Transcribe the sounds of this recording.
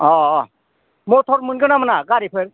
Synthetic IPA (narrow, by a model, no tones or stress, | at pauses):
ɔ | mot̪ʰɔɾmɯnɡɯnamənaɡaɾipʰeɾ